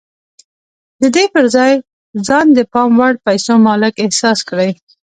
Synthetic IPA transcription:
d̪əd̪epəɾzɑj | zɑnd̪əpɑmwaɽpajsomɑlɪkɪhsɑskɽaj

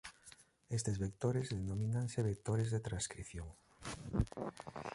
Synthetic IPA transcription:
est̪ezβek̚t̪oɾezðenominaŋseβek̚t̪oɾezðet̪ɾãnskɾiθjoŋ

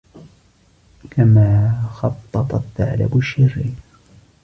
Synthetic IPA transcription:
kamaːxɑt̪ˤːɑt̪ˤɑt̪ːa̰ʕla̰bʊʃːɪrːiː

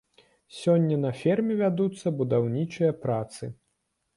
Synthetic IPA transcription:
sʲɔnʲːɐnɐfʲɛrmʲɛvʲad̪ut̪sːɐbud̪awnʲit͡ʂɨjɐpɾat̪sɨ

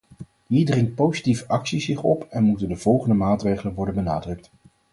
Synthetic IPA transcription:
ɦiːɹdrɪŋt̚powzitivəʔɑksizɪχɔpɛnmutəndəv̥ɔlˠχəndəmaːtrejχələnʋɔɹdənbənaːdrɵk̚t

